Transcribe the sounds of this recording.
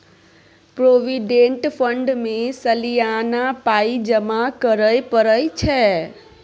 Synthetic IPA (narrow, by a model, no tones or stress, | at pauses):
pɾoːʋiɖẽɳʈpʰə̃ɳɖmẽsəlijaːnapaːid͡ʒəmakəɾəjpəɾəjt͡ʃʰɛː